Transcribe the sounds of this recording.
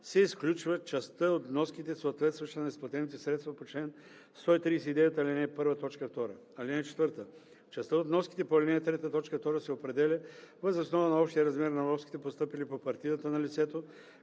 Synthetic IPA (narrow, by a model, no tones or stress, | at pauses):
sɛisklʲut͡ʃvət͡ʃɐst̪əot̪nɔskit̪ɛsoːt̪vɛt̪st̪vɐʃt̪nɛspɐt̪ɛnit̪ɛsɾɛt̪st̪vɐpot͡ʃlɛn | st̪ɔit̪ɾiːs̬ɛid̪ɛjət̪əɐlinɛpɤɾvət̪ɔt͡ʃkəft̪ɔɾə̰ | ɐlinɛt͡ʃɛt̪vəɾt̪ə | t͡ʃɐst̪əot̪nɔski̥t̪ɛpoɐlʲinɛt̪ɾɛt̪ət̪ɔt͡ʃkəft̪ɔɾəsɛopɾɛd̪ɛlʲəvəzosnɔvənɐɔpʃt̪ijəɾɐzmɛɾnɐnɔfskʲi̥t̪ɛpost̪ɤpilipopɐɾt̪id̪ət̪ənɐlit̪sɛt̪o